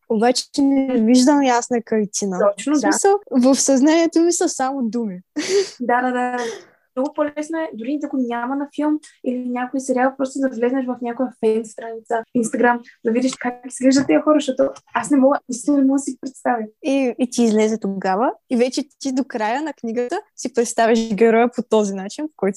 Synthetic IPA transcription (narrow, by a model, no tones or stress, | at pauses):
obat͡ʃɛnɛɛviʒd̪əmjasnɐkɐlt̪ʲinət̪ɔt͡ʃnomisəlˠvəfsɐznaniɛt̪omisəsamod̪umid̪ad̪ad̪aad̪a | mnɔɡʊpolɛsnoɛd̪ʊɾinid̪akʊnʲamɐnɐfilˠmilinʲjakʊisɛɾialˠpɾɔst̪od̪ɐvlɛznɛʃvɐfnʲakojəfɛnst̪ɾanit̪səinst̪ɐɡɾamd̪ɐvid̪iʃkakkʲi̥siɡlɛʒd̪ət̪ːiəxɔɾəʃt̪ɔt̪oasnɛmɔɡəisɛnɛmɔɡəsipɾɛt̪st̪aviiːt̪ʲiːzlɛzɛt̪oɡavəivɛt͡ʃɛt̪id̪okɾajənɐkniɡət̪əsipɾɛt̪st̪avʲiʒɡʲɛɾɔjəpot̪ɔzinat͡ʃinpo̥kɔjt̪